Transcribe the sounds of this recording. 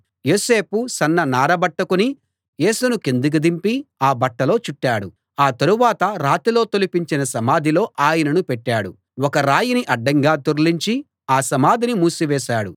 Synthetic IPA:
joːseːpusɐnːɐnaːɾɐbɐʈːɐkuni | je̞ːsunuke̞nd̪uk̬ud̪impiaːbɐʈːɐlo̞ːt͡ʃuʈːaːɽu | aːt̪ɐɾuʋaːt̪ɐɾaːt̪ilo̞ːt̪olipiɲt͡ʃinɐsɐmaːd̪ʱilo̞ːʔaːjɐnɐnupɛʈːaːɽu | wɔkɐɾaːjiniʔɐɖːɐŋɡaːt̪oɾliɲt͡ʃi | aːsɐmaːd̪ʱinimuːsiʋɛːʃaːɽṵ

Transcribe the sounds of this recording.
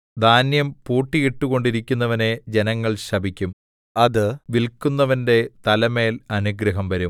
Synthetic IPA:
d̪ʱaːnjɐmpuːʈːiɣeʈːuɣo̞ɳɖiɾikʲːunːɐʋɐne̞d͡ʑe̞nɐŋːɐɭɕɐbʱikʲːum | ɐðɨʋilkunːɐʋɐnde̞t̪ɐlɐme̞ːlɐnuɡɾɐɦɐmʋɐɾum

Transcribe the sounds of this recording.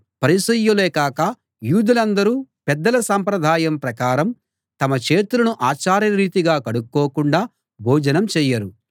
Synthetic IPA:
pɐɾisɐjːuleːkaːkɐ | juːd̪ulɐnd̪ɐɾuːpɛd̪ːɐlɐsɐmpɾɐd̪ʱaːjɐmpɾɐkaːɾɐm | t̪ɐmɐt͡ʃe̞ːt̪ulɐnuʔaːt͡ʃaːɾjɐɾiːt̪iɡaːkɐɽukːoːkuɳɖaː | bʱɔːd͡ʒɐnɐmt͡ʃɛːjːɐɾu

